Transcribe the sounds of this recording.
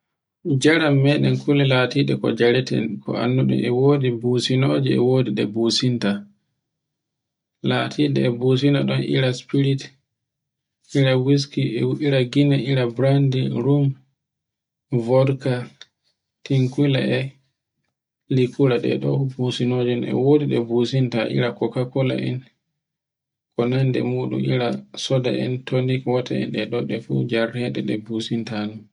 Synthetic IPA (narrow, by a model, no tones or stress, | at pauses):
d͡ʒaɾamːɛɗɛnkulilaːtiːɗɛkɔ̰d͡ʒaɾɛtɛ̰nkʰɔ̰a̰nːuɗṵmɛwoːdibusinoːd͡ʒiɛ̰woːdiɗɛbuːsinta | laːtʰiːɗɛ̰ːbuːs̬inta̰ɗɔnʔḭɾaspiɾit | ʔiɾawis̬kiɛʔiɾaɡinaʔiɾabɾandiɾum | vɔdka | tiŋkila̰ɛ | likuɾaɗɛ̰ɗɔ̰businod͡ʒɔnɛ̰wodiɗɛbusintaʔḭɾakɔkakɔla̰ʔɛ̰n | kɔnandɛ̰muɗṵmḭɾasɔda̰ʔɛ̰ntʰonikwɔtaɛ̰nɗɛɗɔɗɛfṵd͡ʒaɾhɛɗɛ̰ɗɛbusintanu